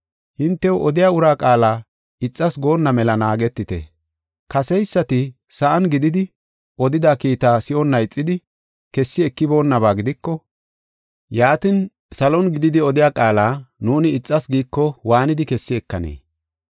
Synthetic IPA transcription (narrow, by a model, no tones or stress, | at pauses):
hɪnt̪ːɛwʔɔd̪ɪjaːʊɾaːkʼaːlaː | ɪt͡sʼːɐsɡo̞ːnːɐmɛlɐnaːɡɛt̪ːɪt̪ɛ̰ | kɐsɛjsːɐt̪ɪ | sɐʔɐnɡɪd̪ɪd̪ɪ | ʔɔd̪ɪd̪akiːt̪aːsɪʔɔnːɐjɪt͡sʼːɪd̪ɪ | kɛsːɪɛkːɪbo̞ːnːɐβaːɡɪd̪ɪkːɔ | jaːt̪ɪn | sɐlɔnɡɪd̪ɪd̪ɪɔd̪ɪjaːkʼaːlaːnuːnɪːt͡sʼːɐsɡiːkːɔwaːnɪd̪ɪkɛsːɪɛkːɐnḛː